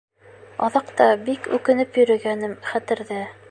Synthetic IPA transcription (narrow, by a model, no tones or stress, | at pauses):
ɑðɑqt̪ɑbikʉ̰kɘ̆nɘpjɵ̆ɾɘ̆ɡænɘmχæt̪ɘ̆ɾðɘ